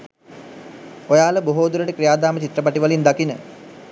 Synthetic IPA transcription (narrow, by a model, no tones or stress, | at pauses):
ojaːləboɦoːd̪uɾəʈəkɾijaːd̪aːmət͡ʃit̪ɾəpaʈiʋalind̪akinə̰